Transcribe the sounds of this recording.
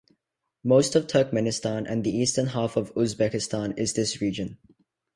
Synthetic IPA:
moʊstəv̥tʰəˑ˞k̚mɛnɪstɑ̃nʔə̰̃nðiiːˑstənɦafəvʊzbɛkɪstɑ̃nɪzðɪsɹiːd͡ʒə̃n

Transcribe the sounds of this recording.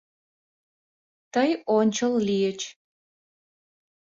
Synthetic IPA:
t̪əjonʲt͡ɕəllijət͡ɕ

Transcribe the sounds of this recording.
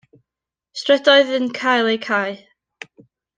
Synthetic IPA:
strɛdɔɨðənkʰajlˠejkʰaj

